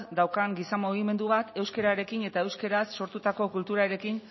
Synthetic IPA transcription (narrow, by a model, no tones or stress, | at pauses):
d̪awkaŋɡisamoɣ̞ime̞nd̪uβat̪e̞wske̞ɾaɾe̞kine̞t̪ae̞wske̞ɾasːo̞ɾt̪ut̪ako̞kult̪uɾaɾe̞kin